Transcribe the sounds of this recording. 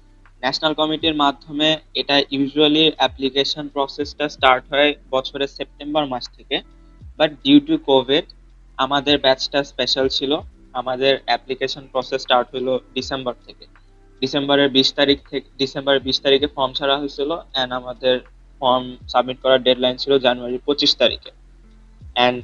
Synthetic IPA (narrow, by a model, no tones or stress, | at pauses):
nɛt͡ɕʰonalkɔmiʈiɾmad̪ʱːomeeʈaʔjuʒualiɛplikeʃonpɾɔsesʈasʈaɾʈɦɔebɔt͡ɕʰoɾesep̚ʈembaɾmaʃt̪ʰeke | baʈ̚ɖiʈukobʱiɖ | amad̪eɾbɛt͡ɕʈaspeʃalt͡ɕʰilo | amad̪eɾɛplikeʃonpɾɔsesʈaɾʈɦojloɖisembaɾt̪ʰeke | ɖisembaɾeɾbiʃt̪aɾikt̪ʰekɖisembaɾeɾbiʃt̪aɾikefɔɾmt͡ɕʰaɾaɦoet͡ɕʰiloɛnamad̪eɾ | fɔɾmsabmiʈ̚kɔɾaɾɖeɖlajnt͡ɕʰilod͡ʑanuaɾiɾpɾot͡ɕiʃt̪aɾḭke | ɛnɖ